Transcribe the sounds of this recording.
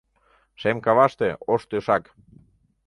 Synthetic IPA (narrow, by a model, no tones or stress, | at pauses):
ʃemkɑβɑʃt̪eoʃt̪øʃɑk